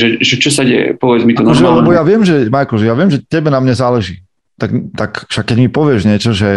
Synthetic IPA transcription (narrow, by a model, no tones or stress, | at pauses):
ʒɛʒɛt͡ʃɔsaɟɛjɛ̰pɔʋɛd͡zmit̪ɔnɔɾʒɛlɛbɔjaʋɪɛmʒɛmajkɔlʒɛjaʋɪɛmʒɛcːɛbɛnamɲɛzaːlɛʒiː | t̪aɡt̪akʃakːɛɟmipɔʋɪɛʒɲɪɛt͡ʃɔʒɛ